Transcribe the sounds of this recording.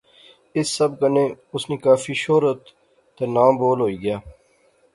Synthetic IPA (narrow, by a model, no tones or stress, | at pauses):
ɪsːɐbkənẽː | ʊsneːkaːfiːʃoːɾət̪ː | enaːmboːlɦoːiːɡəjaː